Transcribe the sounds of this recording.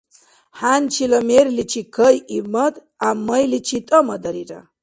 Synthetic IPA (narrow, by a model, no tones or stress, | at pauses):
hant͡ʃʰilɐmeɾlit͡ʃʰikʰəjimɐt̪ | amːəjlit͡ʃʰit̪ʼəmɐd̪ɐɾiɾɐ̰